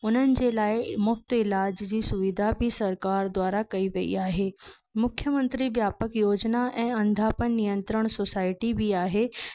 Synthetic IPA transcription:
ʊn̤ənɪ̆d͡ʑeːlaːɪmʊft̪ɪlaːd͡ʑd͡ʑiːsʊʋɪd̪ʱabʱɪsɐɾkaːɾd̪waːɾakɐiʋɐḭaːɦeː | mʊkʰjəmɐ̃nt̪ɾiʋjaːpəkjoːd͡ʑnaʔɛ̃ːɐ̃nd̪ʱaːpənːijə̃nt̪ɾəɽ̃sosaːɪʈibʱiaːɦeː

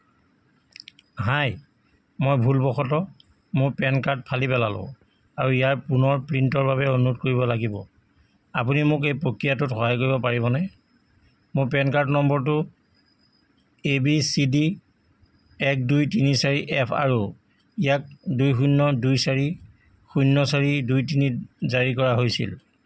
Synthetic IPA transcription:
ɦaj | mojbʱulbɔxɔtɔ | mʊpɛnkaɹt̚pʰalipɛlalʊ̰̃ | aɹuijaɹpunɔɹpɹintɔɹbaβɛonutkoɹibɔlaɡibɔ̰ | apunimʊk̬ejpɹokɹijatʊtxɔɦajkoɹibɔpaɹiβɔnɛ | mʊpɛnkaɹtnɔmbɔɹt̬ʊ | ebisidi | ɛk̚dujtinisaɹiʔɛpʰa̰ɹu | ijak̚dujxunːɔdujsaɹi | xujnːɔsaɹidujtinizaɹikɔɹaɦojsḭl

